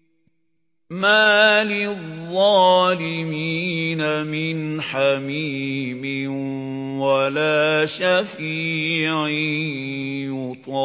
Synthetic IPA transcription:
maːlɪðˤːɑːlɪmiːnamɪnħamiːmɪ | walaːʃaf | iːʕi | jʊt̪ˤɑ

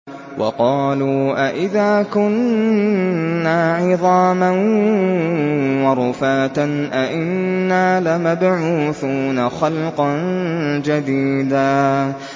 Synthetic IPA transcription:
wʔɑ̰qɑːluːʔaʔɪðaːkʊn | aːʕɪðˤɑːman | wɑɾˤʊfaːt̪anʔaʔɪnːaːlamabʕuːθuːnaxɑlqɑnd͡ʒad̪iːd̪aː

